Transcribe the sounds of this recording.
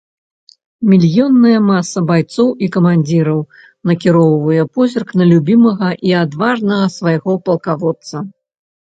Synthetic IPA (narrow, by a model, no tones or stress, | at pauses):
mʲilʲjɔnːɐjɐmasːɐbajt̪sɔwikɐmanʲd͡zʲiɾɐw | nɐkʲiɾɔwvɐjɛpɔzʲɐrknɐlʲubʲimɐɣɐʔiad̪vaʐnɐɣɐsvajɣɔpɐlˠkavɔt̪sɐ